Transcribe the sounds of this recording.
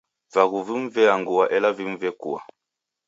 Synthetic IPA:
vaɣuvim̩vɛaŋɡuaʔɛlavim̩vɛkṵa̰

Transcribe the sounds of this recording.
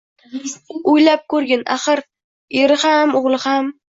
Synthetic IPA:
ʊjlap̚kʰɵɾɡʲɪna̰χɨɾ | eɾɪhamʊʁlˠɪham

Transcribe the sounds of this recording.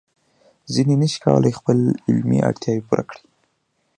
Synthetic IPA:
zinenəʃi̥ka̰wə̰lajxpəlɪlmḭʔa̰ɽt̪jɑwepuɾakɽi̥

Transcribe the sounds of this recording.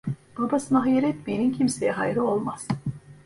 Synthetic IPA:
b̥abasɯnaɦajeɾɛt̪̚binincʰimse̞jɛɦajɾɯo̞lˠmaz̥

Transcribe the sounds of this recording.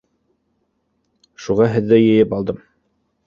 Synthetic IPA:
ʃuʁɑɦɘ̆ðːɘjɘ̆jɘpɑlˠd̪ɤm

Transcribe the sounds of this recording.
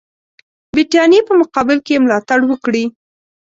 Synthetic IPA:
biʈɑnjepəmʊqɑbɪlkemlɑt̪aɽwəkɽi

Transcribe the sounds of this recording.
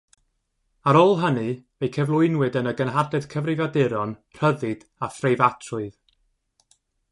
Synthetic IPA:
aɾɔlˠɦənɨvejkʰɛvlˠʊɨnwɨdənəɡənɦadɛd̥kʰəvrɪvadɪɾɔnr̥əðɨd̥ | afrejvatʰrʊɨð

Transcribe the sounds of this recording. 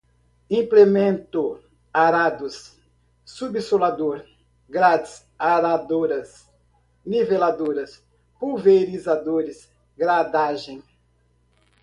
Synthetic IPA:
ĩplemẽnt̪ʊ | aɾad̪ʊsː | ubisolad̪oɾ | ɡɾad̪ɪs | aɾad̪oɾɐs | nivelad̪oɾɐs | puveɾizad̪oɾɪs | ɡɾad̪aʒẽj̃

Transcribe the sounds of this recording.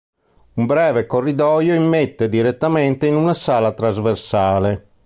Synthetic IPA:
umbɾɛːvekorːid̪ɔjoimːet̪ːed̪iɾet̪ːamɛnt̪einunasaːlat̪ɾazversaːle

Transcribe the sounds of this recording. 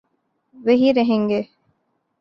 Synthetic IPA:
ʋeɦiɾeɦeŋɡe

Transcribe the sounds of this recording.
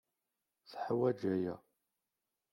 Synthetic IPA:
θħwæd͡ʒæjæ̰

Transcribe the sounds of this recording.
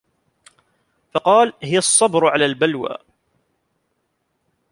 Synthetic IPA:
fɑqɑːlhɪjasˤːɑbɾʕalaːlbalwa̰ː

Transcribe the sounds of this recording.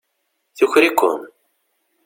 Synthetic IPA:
θuçɾikʷːʊ̰n

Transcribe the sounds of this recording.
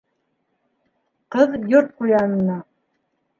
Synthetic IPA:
qɤðjoɾt̪̚qujɑnɤ̆nɑ

